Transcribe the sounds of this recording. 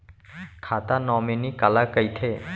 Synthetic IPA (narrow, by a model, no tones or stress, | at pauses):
kʰaːt̪anɔmenikalakəjt̪ʰe